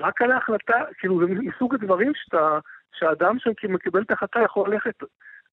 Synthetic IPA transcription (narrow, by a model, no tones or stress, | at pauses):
ʁakalaːχlat̪akiːluzemimisuɡad̪vaʁimʃe̥t̪aʃeaːd̪amʃemkimekabe̞lt̪aχlat̪ajaχo̞lale̞χet̪